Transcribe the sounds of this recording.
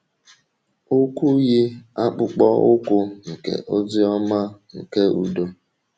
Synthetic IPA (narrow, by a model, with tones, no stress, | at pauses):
ʊ˦kʷu˦ɣi˦a˦k͡pʊ˨k͡pɔ˦ʊ˦kʷʊ˦ŋ̩˨kḛ˨ʔo˦d͡zɪ˦ɔ˦ma˦ŋ̩˨ke˦ʔu˨do˦